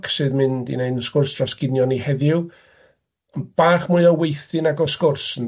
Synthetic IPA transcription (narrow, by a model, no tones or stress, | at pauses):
kʰsɨðmɨndḭneɨnskʊrsd̥ʰrɔsɡ̥ɪnjɔnihɛðɪw | ənb̥aːχmʊɨɔwejθɨnaɡɔskʊrsən